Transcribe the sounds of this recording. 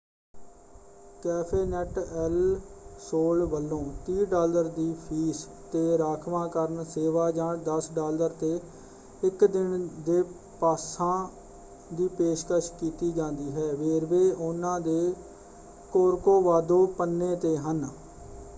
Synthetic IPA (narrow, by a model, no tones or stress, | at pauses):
kɛːpʰeːnɛʈɛlsoːlʋəlːõːt̪iːɖaːləɾd̪iːpʰiːs | t̪eːɾaːkʰʋãːkəɾəɳseːʋaːd͡ʒãːɳd̪əsɖaːləɾt̪eː | ɪkd̪ɪnd̪eː | paːsãː | d̪iːpeːʃkəʃkiːt̪iːd͡ʒãːnd̪iːɦɛːʋeːɾʋeːʔʊnãːd̪eː | koːɾkoːʋaːd̪oːpənːeːt̪eːɦən